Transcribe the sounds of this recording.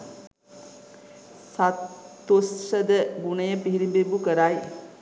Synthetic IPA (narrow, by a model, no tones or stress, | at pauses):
sat̪ːossəd̪əbunəjəpiɦiɾimbebukəɾaj